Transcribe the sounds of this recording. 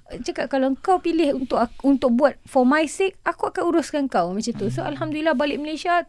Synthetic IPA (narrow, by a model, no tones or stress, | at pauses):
t͡ʃakaʔ̚kalawŋkawpilɪhunt̪ʊʔunt̪ʊk̚buat̪̚fɔmajsek̚akuakanuɾʊskanŋkawmãt͡ʃant̪usoalɦamd̪ulilahbalɪʔ̚məlesia